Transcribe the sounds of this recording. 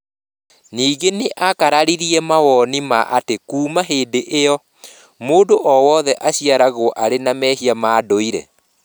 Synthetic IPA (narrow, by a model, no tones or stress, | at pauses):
niːɡeneʔakaɾaɾiɾiɛmawɔnima̰ʔa̰tekuːmaɦeːdeʔejɔ | moːdoʔɔwɔːðɛʔaɕiaɾaɣoʔaɾenamɛːɦiamaːdoiɾɛ̰